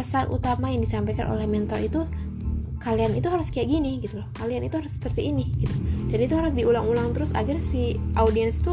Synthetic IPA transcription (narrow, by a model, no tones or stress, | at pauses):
əsanʔṵt̪amajaŋdisampajka̰nʔo̰lɛhmɛnt̪ɔrit̪u | kalianit̪uɦaɾʊskajaʔɡiniɡit̪ulɔhkalianit̪uhaɾʊsːə̥pərt̪iːniɡit̪ud̥anit̪uɦaɾʊsdiulaŋulaŋt̪əɾʊsa̰ɡɾɛsfiʔaudiɛnsi̥t̪u